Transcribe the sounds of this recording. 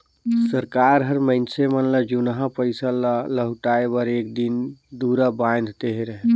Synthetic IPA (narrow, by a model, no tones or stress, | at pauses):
səɾkaɾɦəɾməɪnsemənləd͡ʒunɦãpəɪsəlləɦuʈaebəɾekd̪ind̪uɾəbajnd̪ʱt̪eɦeɾəɦe